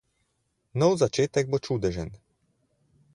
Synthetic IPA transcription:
nɔwzat͡ʃet̪ɛɡ̚bɔt͡ʃuːd̪ɛʒɛn

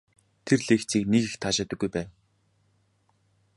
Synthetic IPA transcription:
t̪ʰerɮeːxt͡siːknekixt̪ʰaːʃaːt̪ə̆ɡːujpæːn

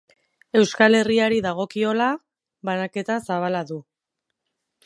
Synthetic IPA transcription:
e̞wskale̞riaɾiðaɣ̞o̞kio̞la | βanake̞t̪asaβalaðu

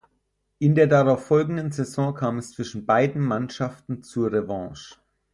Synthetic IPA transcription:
ʔɪndeːɐdaʁaʊfɔlɡŋ̩dənzɛzɔ̃ːkʰaːmɛst͡sv̥ɪʃn̩baɪdn̩manʃaftn̩t͡suɐʁevɑ̃ːʃ

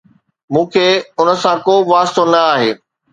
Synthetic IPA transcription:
mũːkʰeːʊnə̆sãkoːʋaːst̪onɐaːɦeː

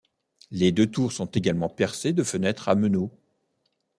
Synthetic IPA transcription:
led̪øt̪uʁsɔ̃t̪eɡalmɑ̃pɛʁsed̪əfənɛt̪χaməno

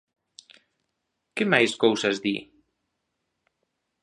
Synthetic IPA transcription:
kemajskowsazd̪ḭ

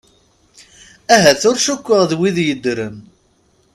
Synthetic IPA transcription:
æɦæθʊɾʃukʷːəʁðwiðjəd̪ːɾən

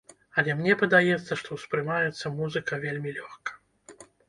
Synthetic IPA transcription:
ɐlʲɛmnʲɛpɐd̪ajɛt̪sːɐʂt̪ɔwspɾɨmajɛt̪sːɐmuzɨkɐvʲelʲmʲilʲɔxkɐ̥

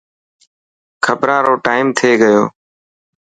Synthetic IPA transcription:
kʰəpɾãːɾoːʈaːɪmt̪ʰeːɡəjo̰ː

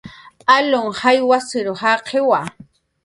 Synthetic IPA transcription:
aloŋhajwasɪɾohaqʰewa

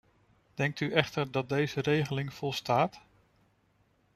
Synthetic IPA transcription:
d̥ɛŋk̚tyʔɛχtəɹdɑt̚dejzərejχəlɪŋv̥ɔlˠstaːt

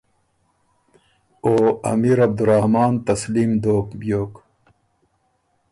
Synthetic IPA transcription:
oːɐ̰miːɾɐb̚d̪uɾahmaːnt̪ɐsliːmd̪oːkbjoːk

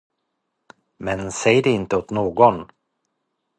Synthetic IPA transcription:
mɛnsɛjəd̪ɛɪnt̪əɔt̪noːɡɔn

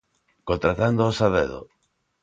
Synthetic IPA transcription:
kont̪ɾat̪and̪oːsaðḛðo̰

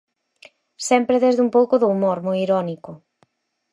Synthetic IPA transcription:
sɛmpɾeðezðumpowkʊðoːmoɾmojiɾɔnikʊ

